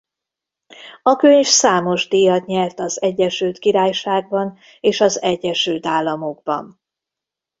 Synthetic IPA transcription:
ɒkøɲfsaːmo̞ʒd̪ijɒt̪ɲɛrt̪ɒzɛɟːɛʃylt̪kiɾaːjʃaːɡ̚bɒn | eːʃɒzɛɟːɛʃylt̪aːlːɒmo̞ɡ̚bɒ̰n

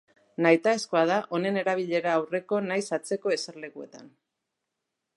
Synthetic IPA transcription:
najt̪ae̞skoað̞aʔo̞ne̞ne̞ɾaβiʎe̞ɾaːwre̞ko̞najsat͡se̞ko̞e̞seɾle̞kue̞̰t̪an

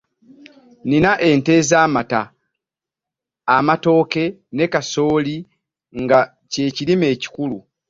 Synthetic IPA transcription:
ninaʔe̞nte̞zaːmata | mato̞ːke̞ne̞kaso̞ːli | ŋɡa | ce̞ːcilime̞ːci̥kulu

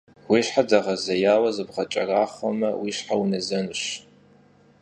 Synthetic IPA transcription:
wiːɕħadaʁɐzɐjaːwɐzɨbʁɐt͡ʃʼɐraːχʷɔmɐwiːɕħawunɐzɐnɨɕ

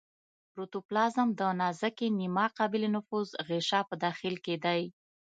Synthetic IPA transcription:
pɾut̪uplɑzəmd̪ənɑzakenimɑqɑbɪlenʊfuzɣeʃɑpəd̪ɑxɪlked̪aj

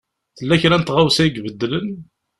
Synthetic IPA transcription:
θəlːæçɾænt̪ʁawsæiɡvəd̪ːlən

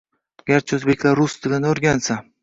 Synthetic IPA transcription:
ɡʲaɾt͡ʃʰɪɵzbe̞kʲlaɾːʊst̪ʰɪlʲanoɾɡʲansa

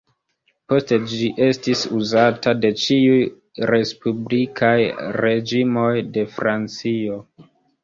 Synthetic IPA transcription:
po̞ste̞d͡ʒiʔe̞stisuzatade̞t͡ʃiuj | ɾe̞spublikʰajɾe̞d͡ʒimo̞jde̞fɾant͡sio̞

